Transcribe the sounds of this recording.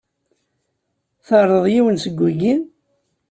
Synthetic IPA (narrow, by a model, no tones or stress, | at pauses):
θəɾˤəðˤjiwənsəɡʷːuɡin